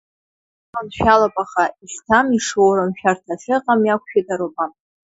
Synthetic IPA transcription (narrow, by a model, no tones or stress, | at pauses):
manʃᶣalapʼaχaistʰamiʂowɾamʃᶣartʰat͡sʰɨqʼamjakʷʰʃᶣadaɾobʼan